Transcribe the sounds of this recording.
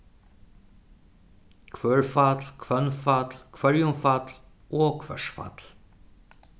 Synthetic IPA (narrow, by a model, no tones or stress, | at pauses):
kʰʋøːɹfɑt̪lkʰvœnfɑt̪lkʰvœɹjʊmfɑt̪l | oːkʰvœ̰ʂfɑ̰t̪l